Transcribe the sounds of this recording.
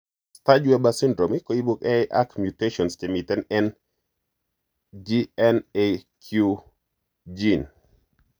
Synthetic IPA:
stad͡ʒwɛbasindɾomikoibukɛjʔa̰kmjuteʃɔnst͡ʃemitɛnɛn | d͡ʒiɛnekʰju | d͡ʒin

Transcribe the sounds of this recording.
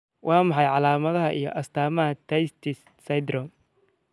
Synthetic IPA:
wʔɑːmɑħɑjʕɑlaːmɐðɐɦɐʔijɞʔɐst̪ʰaːmɐɦɐt̪ʰɐjst̪ʰɪ | sɐjd̪ɾɔm

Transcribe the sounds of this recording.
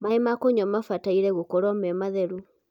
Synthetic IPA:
maemakoɲɔmafataiɾɛɣokoɾɔmɛmaðɛɾu

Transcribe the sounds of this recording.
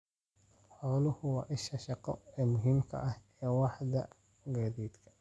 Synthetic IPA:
ħɔːlʊhʊwɑ̰ʔɪʃɐʃɑqɔɛːmʊɦɪmkʰɐ̰ʔɐh | ɛːwɑħd̪ɐ | ɡaːd̪iːd̪kʰɐ̥

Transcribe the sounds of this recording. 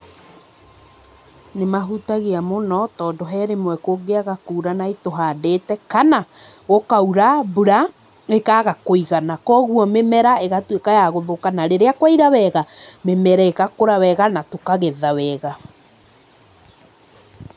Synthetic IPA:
nemaɦutaɣeamonɔtɔːndoɦɛɾemwɛkoɡeaɣakuːɾanaitoɦaːdetɛkana | ɣokauɾabuɾa | ekaɣakoiɣanakɔɣuɔmemɛɾaeɣatwekajaɣoðokanaɾeɾeakwaiɾawɛɣamemɛɾɛekakoɾawɛɣanatokaɣɛðawɛɣa

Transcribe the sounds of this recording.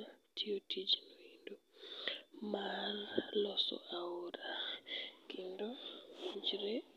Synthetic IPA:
tʰiotʰid͡ʒnoindo | mallɔsɔ̰ʔaoɾa | kindɔ | d͡ʒɾe

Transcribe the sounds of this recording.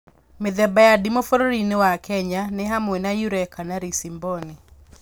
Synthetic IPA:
meðɛbajadimofoɾoɾinewakɛɲaneɦamwenajuɾɛkʰanaɾisimboni

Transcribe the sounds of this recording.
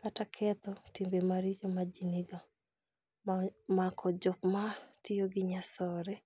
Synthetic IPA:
katakʰɛt̪ɔtimbemaɾid͡ʒɔmad͡ʒiniɡɔ | makʰɔd͡ʒɔkmatijoɡɪɲasɔɾɛ

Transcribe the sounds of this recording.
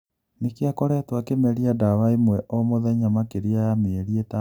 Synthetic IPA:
nekeakɔɾɛtwakemɛɾiadawaimwɛʔɔmoðɛɲamakeɾiajameːɾiɛta

